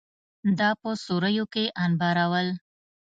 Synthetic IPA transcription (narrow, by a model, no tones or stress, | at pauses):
d̪ɑpəsoɾəjokeʔɑnbɑɾawəl